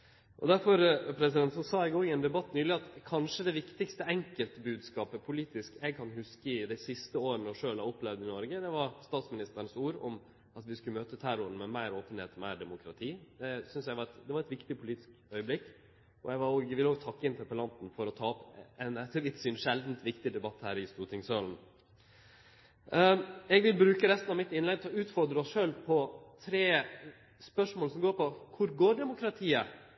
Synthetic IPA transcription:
ʔɔ̰d̪æɾfɔɾpʰɾɛsɪd̪ɛnt̪sɔsɑːɛɪɡoːɪɛnd̪ɛbɑt̪ːnyːlɪɑt̪kʰɑnʂəd̪ɛʋɪkt̪ɪkst̪əɛŋkəlt̪bʉːd̪skɑːpəpʰʊliːt̪ɪskɛɡkʰɑnhʉskəɪd̪æɪsɪst̪əoːɾənəɔʂøːlɑɔplɛʋd̪ɪnɔɾɡəd̪ɛʋɑɾst̪ɑːt̪smɪnɪst̪əɾənsuːɾɔm | ɑt̪ʋɪskʉmøːt̪ət̪ʰæɾʊɾnmɛmæɪɾoːpənheːt̪ɔmæɪɖɛmʊkɾɑt̪ʰiːd̪ɛsʏnsjæɪʋɑɾɛt̪d̪ɛʋɑɾɛt̪ʋɪkt̪ɪpʰʊliːt̪ɪ̥skœʏəblɪkː | ɔ̰jæɪʋɑɾoːɡʋɪloːɡt̪ʰɑkːəɪnt̪ʰɛɾpəlɑnt̪n̩fɔɾɔt̪ʰɑːɔpɛnɛt̪ʰːəʋɪt̪syːnʂɛld̪n̩t̪ʋɪkt̪ɪd̪ɛbɑt̪ːhæːɾɪst̪uːt̪ʰɪŋsøːln̩ | ɛɡʋɪlbɾʉːkəɾɛst̪nɑʋmɪt̪ɪnlɛɡt̪ʰlɔʉːt̪fɔɾd̪ɾəɔsʂøːlpʰɔt̪ʰɾeː | spœʂmoːlsɔmɡoːɾpɔkʰʊɾɡoːɖɛmʊkɾɑt̪ʰiːə

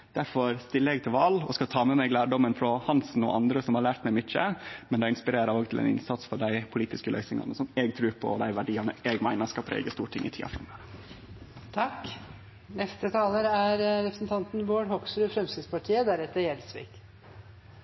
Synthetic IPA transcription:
d̪̥æɾfɔɾst̪ɪlːəɛɡ̚t̪ʰɪlʋɑlːɔ̰skɑt̪ʰɑːmɛmɛɡlæːɖɔmənfɾɔhɑnsn̩ɔ̰ʔɑnd̪ɾəsɔmhɑɭæːɾʈ̪mæɪmʏt͡ʃːəmɛnd̪ɛɪɪnspɪɾeːɾəɾoːɡt̪ʰɪlɛ̰nɪ̰nsɑt̪sfɔɖæɪpʰʊliːt̪ɪskəlø̰ːsɪŋɑ̰nəsɔmeːɡ̚t̪ʰɾʉːɾpʰɔ̰d̪æɪʋæɖiːɑnəʔɛːɡmæɪnəɾskɑpʰɾḛːɡəst̪uːʈʰɪŋːɪt̪ʰiːɑ̰fɾɑ̰møɾə | t̪ʰɑk | nɛst̪ət̪ʰɑːləɾæɾɾɛpɾə̥snt̪ʰɑnt̪n̩boːɖhɔksɾʉːfɾɛmsɪspɑʈʰiːəd̪æɾɛt̪ːəɾjɛlsʋḭːk

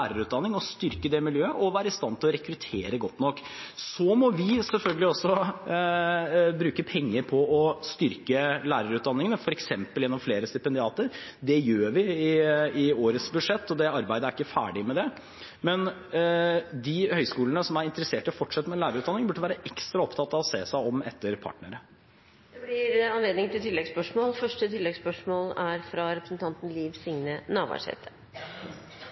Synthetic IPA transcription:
æːɾəɾʉːt̪̚d̪ɑnːɪŋɔst̪ʏɾkəd̪ɛmɪljøːəʔɔʋæːɾəɪst̪ɑnːt̪ʰɪlɔɾɛkɾʉt̪ʰeːɾəɡɔt̪ːnɔkː | sɔmɔʋɪsɛlfœlɡəlɪɔsːɔ | bɾʉːkəpʰɛŋːəɾpʰɔɔst̪ʏɾkəlæːɾəɾʉːt̪̚d̪ɑnːɪŋənəfɔɾɛksɛmpəljɛnːɔmfleːɾəst̪ɪpɛnd̪ɪɑːt̪əɾd̪ɛjøːɾʋɪɪɪoːɾət̪sbʉd̪ʂɛt̪ːɔd̪ɛɑɾbæɪd̪əæɾɪkːəfæ̰ːɖɪmɛd̪ɛ | mɛn | d̪ɪhœʏskuːlənəsɔmæɾɪnt̪əɾəseːʈəfɔʈʂɑt̪ːmɛnlæːɾəʉːt̪d̪ɑnːɪŋbʉʈːəʋæːɾəʔɛkst̪ɾɑɔpt̪ʰɑt̪ːɑʋɔseːsæɪɔmɛt̪ːəɾpʰɑ̰ʈɳəɾə | d̪̥ɛblɪɾɑnleːd̪nɪŋt̪ʰɪlt̪ʰɪlːɛɡspœʂmoːlfœʂʈət̪ʰɪlːɛɡspœʂmoːlæɾfɾɑɾɛpɾəsnt̪ʰɑnt̪n̩liːʋsɪŋnənɑːʋɑ̰ʂɛ̰t̪ʰə̥

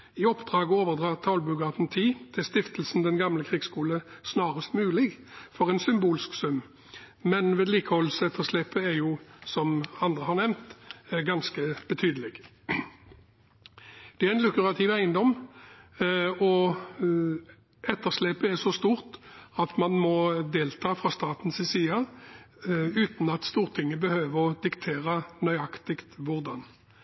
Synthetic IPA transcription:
ɪɔpd̪ʁɑːɡəoːʋəʁd̪ʁɑːt̪ʰɑlbʉɡɑt̪n̩t̪ʰiːt̪ʰɪlst̪ɪft̪əl̩sn̩d̪ɛnɡɑmləkʰʁiːɡskuːləsnɑːʁəst̪mʉːlɪɡfɔʁɛɪnsʏmbuːlsksʉmː | mɛnʋeːd̪liːkəhɔlsɛt̪ʰːəʁʂlɛːpəɛjuːsɔmɑnd̪ʁəhɑʁnɛmnt̪ɡɑnskəb̥ət̪ʰyːd̪əlɪɡ | d̪̥ɛæʁɛnlʉkʉʁɑt̪ʰɪʋæɪənd̪ɔm | ɔ | ɛt̪ːəʁʂlɛːpəɛʁsɔst̪uːʁt̪ɑt̪mɑnmɔd̪eːlt̪ʰɑːfʁɑst̪ɑːt̪n̩sɪsiːɑ | ʉːt̪n̩ɑt̪st̪uːʁt̪ʰɪŋːəbəhøːʋəʁɔd̪ɪkt̪ʰeːʁənœʏɑkt̪ɪkt̪ʋʊʁd̪ɑn

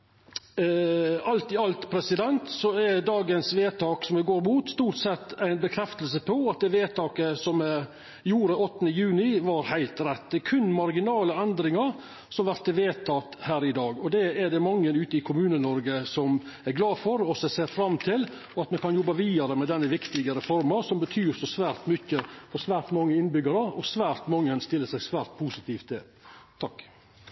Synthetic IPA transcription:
ɑlt̪ɪɑlt̪pʰɾɛsɪd̪ɛnt̪sɔɛd̪ɑːɡənsʋeːt̪ʰɑːksɔmd̪ɛɡoːɾmuːt̪st̪uːʈsɛt̪ːæɪnbəkʰɾɛft̪əlsəpʰɔɑt̪̚d̪ɛːʋeːt̪ʰɑːkəsɔmɛ | juːɾəɔt̪ːənəjʉːnɪʋɑɾhæɪlt̪ɾɛt̪̚ːd̪ɛkʰʉnːmɑɾɡɪnɑːləɛnd̪ɾɪŋɑɾ | sɔmʋæɾt̪əʋeːt̪ʰɑt̪hæːɾɪd̪ɑːɡɔd̪ɛæɖɛmɑŋːənʉːt̪əɪkʰʊmʉːnənɔɾɡəsɔm | æɾɡlɑːfɔɾɔsɛseːɾfɾɑmt̪ʰɪl | ɔɑt̪mɛnkɑnjɔbːɑʋiːd̪ɑɾəmɛd̪ɛnːəʋɪkt̪ɪɡəɾɛfɔɾmɑsɔmbət̪ʰyːɾsɔsʋæːɾt̪mʏçəfɔɾsʋæːɾt̪mɑŋːəɪnbʏɡɑɾəɔsʋæːɾt̪mɑŋːənst̪ɪlːəsæɪsʋæːɾt̪̚pʰuːsɪt̪ʰiːft̪̚d̪ɛ | t̪ʰɑkː

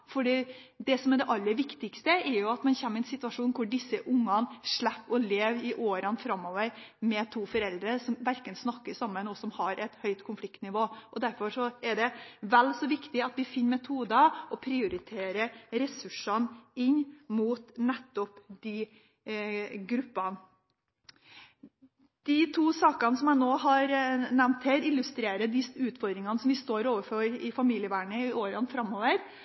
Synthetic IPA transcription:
fɔɖiːd̪ɛsɔmɛɖ̪ɛʔɑlːəɾʋɪkt̪ɪkst̪əɛɾjʊɑt̪mɛnçɛmːɪɛnsɪt̪ʉɑʂuːnkʰʊɖɪsːəʔʊŋːɑnʂɭɛpːɔleːʋɪʔoːɾənfɾɑmːoːʋəɾmɛt̪ʰuːfɔɾɛld̪ɾəsɔmʋæɾkənsnɑkːəsɑmːənɔsɔmhɑɾʔɛt̪hœʏt̪kʰʊnflɪkt̪nɪʋoːʔɔd̪æɾfɔɾʂɔɛɖɛʋɛlːsɔʋɪkt̪ɪɑt̪ʋɪfɪnːmɛt̪ʰuːd̪əɔpʰɾɪʊɾɪt̪ʰeːɾəɾɛsʉʂɑnɪɲːmuːt̪nɛt̪ːɔpd̪ɪ | ɡɾʉpːɑn | d̪̥ɪt̪ʰuːsɑːkɑnəsɔmæɪnoːɦɑɾnæʋnt̪hɛːɾɪlːʉst̪ɾeːɾəd̪ɪʉːt̪fɔɾd̪ɾɪŋɑnəsɔmʋɪst̪oːɾoːʋəfɔɾɪfɑmiːlɪəʋæːɳəɪʔoːɾənfɾɑmːoːʋəɾ

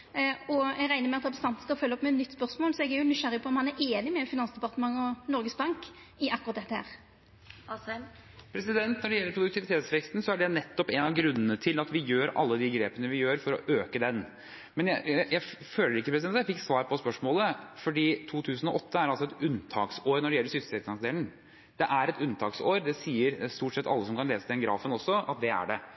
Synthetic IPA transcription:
ɔɛɡɾæɪnəɾmɛɑt̪ɑbəst̪ɑnt̪n̩skɑfœlːɔpːmɛɛt̪nʏt̪ːspœɾsmoːlsɔɛɡæɾjʊnʏʂæɾɪpʰɔɔmhɑnæɾeːnɪmɛfɪnɑnsd̪əɛpɑʁt̪əmɑŋːɔnɔɾɡəsbɑŋk | ɪɑkːʊʁɑt̪̚d̪ɛt̪ːəhæ̰ːɾ | pʰɾɛsɪd̪ɛnt̪nɔɖɛjɛlːəɾpʰɾʊd̪ʉk̚t̪ɪʋɪt̪ʰeːt̪sʋɛkst̪nsɔæɖɛnɛt̪ːɔpɛnɑʋɡɾʉnːənət̪ʰɪlɑt̪ʋɪjøːɾɑ̰lːəd̪ɪɡɾeːpənəʋɪjøːɾfɔɾɔʔøːkəd̪ɛn | mɛnjæjæføːlːəɾɪkːəpʰɾɛsɪd̪ɛnjæɪfɪkːsʋɑːɾpʰɔspœʂmoːləfɔɖiːt̪ʰuːt̪ʰʉːsən̩ɔʔɔt̪ʰːəæɾɑlsɔɛt̪ʉnt̪ʰɑːksoːɾnɔɖɛjɛlːəɾʂsʏst̪ɛt̪ɑŋsd̪eːlɳ̩ | d̪̥ɛʔæɾɛt̪ʉnt̪ʰɑːksoːɾd̪ɛsiːəɾst̪uːʈsɛt̪ːɑ̰lːəsɔmkʰɑnleːsəd̪ɛnɡɾɑ̰ːfənɔsːɔɑ̰t̪̚d̪ɛæ̰ɖɛ

